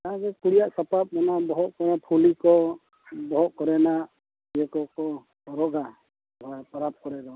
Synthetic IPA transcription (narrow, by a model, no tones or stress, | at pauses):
t̪aãkɛkuɽijaʔsapap̚mɔnabɔɦɔt̪̚kɔɾɛnapʰulikɔ | bɔɦɔʔ̚kɔɾɛnaʔ | ijɛkɔkɔ | ɔɾɔɡa | bɔpɔɾap̚kɔɾɛd̪ɔ